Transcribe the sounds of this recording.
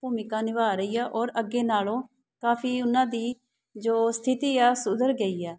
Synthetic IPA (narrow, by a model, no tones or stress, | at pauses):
puːmɪkãːnɪʋaːɾəiːaːʔɔːɾəɡːeːnaːlõː | kaːpʰiːʊnãːd̪iː | d͡ʒoːst̪ʰɪt̪iːɛːsʊd̪əɾɡəiːɛː